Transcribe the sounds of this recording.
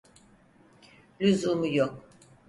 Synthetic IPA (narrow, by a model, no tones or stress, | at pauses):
lʲyzumujok̚